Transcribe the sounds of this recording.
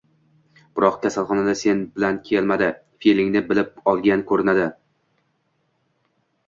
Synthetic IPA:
b̥ɪɾɒqkʲʰasalˠχɒnad̪ase̞nbɪlankʲʰelmad̪ɪ | filɪŋnɪbɪlɪp̚ɒlˠɡʲankʰɵɾɪnad̪ɪ

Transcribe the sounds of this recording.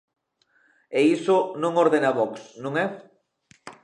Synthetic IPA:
eisonõŋoɾðenaβɔksnõŋɛ

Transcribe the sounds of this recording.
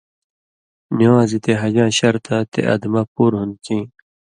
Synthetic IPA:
niwãːzit̪eɦɐd͡ʑãːɕɐɾt̪ʰat̪ḛʔa̰d̪mapuːɾɦun̚kĩː

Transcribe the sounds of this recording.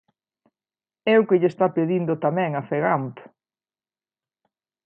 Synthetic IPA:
ɛʊkɪʎest̪apeðind̪ot̪amɛ̃ŋɐfeɣamp̪

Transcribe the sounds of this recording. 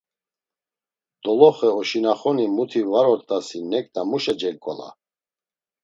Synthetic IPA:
d̪̥ɔlɔχɛɔʃinaχɔnimut̪ʰivaɾɔɾt̪ʼasinɛkʼd̪amuʃɛd͡ʒɛlkʼɔ̰la̰

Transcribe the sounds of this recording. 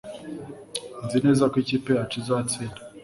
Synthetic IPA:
nzineːzakwiciːpeat͡ʃizaːt͡siːna

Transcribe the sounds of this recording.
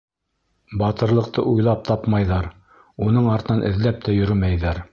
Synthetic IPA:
bɑt̪ɤ̆ɾlˠɤ̆q̚t̪ʰɤ̰ʔujlˠɑp̚t̪ʰɑpmɑjðɑɾ | unɤɴɑɾt̪ɤ̆nɑnʔɘ̆ðlæp̚t̪ʰæjɵ̆ɾɘmæjðæɾ

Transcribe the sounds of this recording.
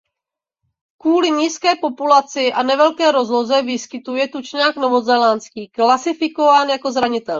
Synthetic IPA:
kvuːlɪɲiːskɛːpo̞pulat͡sɪʔanɛvɛlkɛːɾo̞zlo̞zɛvɪskɪt̪ujɛt̪ut͡ʃɲaːknovozɛlant͡skiːklasɪfɪkovaːnjako̞zɾaɲɪt̪ɛl

